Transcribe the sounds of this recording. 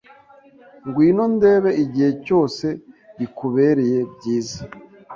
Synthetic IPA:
ŋɡwiːno̞nde̞ːβe̞iɟihe̞co̞ːse̞ɟikuβe̞ɾe̞je̞bɟiːzḁ

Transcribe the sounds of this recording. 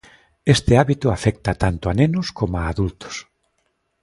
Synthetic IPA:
est̪eaβit̪ʊafɛk̚t̪at̪ant̪ʊanẽnʊskomoaːðult̪ʊ̥s

